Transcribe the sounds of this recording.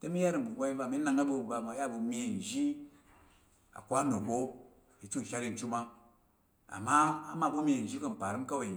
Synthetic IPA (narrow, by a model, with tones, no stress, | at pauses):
te˦mi˦ja˦ɾi˨m˨bu˨ɡʷa˦i˦va˦˨mi˦na˨ŋa˦bu˧˨ba˨ma˨˦ja˦˨bu˨mʲe˧˨n̩˨ʒi˦ | a̰˨kʷa˦no˨bo˦˨ | i˨t͡ʃu˦˨ʃa˦ɾi˦n˨t͡ʃu˦ma˦ | a̰˨ma˦a˦ma˦˨bu˦mʲe˧˨n̩˨ʒi˦ko˦m̩˨pa˨ɾi˦m˦ka˦we˨i˨